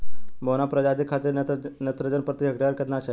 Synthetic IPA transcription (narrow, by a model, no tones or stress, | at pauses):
mbonapɾəd͡ʑad͡ʑ̪ikʰat̪iːɾnət̪ɾəd͡ʑənpɾət̪iɦəɡɖaəɾkət̪nat͡ɕʰe